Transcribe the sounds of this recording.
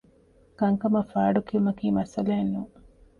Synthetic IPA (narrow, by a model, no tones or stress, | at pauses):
kɐŋkɐmɐfaːɖukiumɐkiːmɐsɐleːnːuː